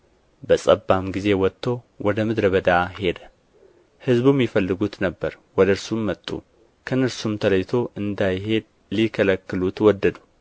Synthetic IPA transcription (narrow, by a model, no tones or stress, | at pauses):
bəsʼəbːamɡize̞wɔt̪ʰːo̞ | wɔd̪əmɨd̪ɾəβəd̪ahe̞d̪ə | hɨzbumjɪfəlːɨɡut̪nəbːəɾwɔd̪əɨɾsumːət̪ʼːṵ | kʰənɨɾsumt̪ʰələjt̪ʰo̞ʔɨnd̪ajɦe̞d̪̚ | likʰələkːɨlut̪wɔd̪ːəd̪u